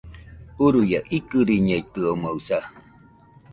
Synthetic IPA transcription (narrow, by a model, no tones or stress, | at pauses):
uɾujaʔikɨɾiɲeit̪ːɯomausa